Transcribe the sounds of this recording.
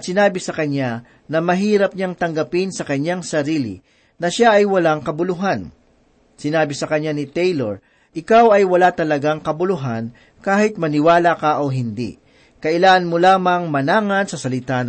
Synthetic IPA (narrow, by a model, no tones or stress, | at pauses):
t̪sɪnaːbɪsɐkɐɲa | nɐmɐɦiːɾɐp̚ɲaŋt̪ɐŋɡɐpɪnsɐkɐɲaŋsɐɾiːlɪ̰ | nɐʃaʔɐjwɐlaŋkɐbʊlʊɦan | sɪnaːbɪsɐkɐɲːanɪt̪ɛjloɹ | ʔɪkawɐjwɐlat̪ɐlɐɡaŋkɐbʊlʊɦan | kaːhɪt̪̚mɐnɪwaːlakɐʔoɦɪnd̪ḭ | kɐʔɪlaːŋɐnmolaːmɐŋmɐnaːŋɐnsɐsɐlɪt̪an